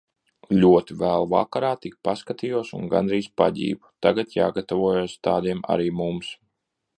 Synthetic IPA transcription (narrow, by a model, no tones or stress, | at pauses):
lʲuɔt̪ivæːlˠva̰kaɾaːt̪ik̚paskat̪iːjuɔsunɡa̰nɾiːspa̰ɟʲḭːbut̪aɡat̪ja̰ːɡat̪avuɔjoːst̪aːd̪iɛma̰ɾiːmums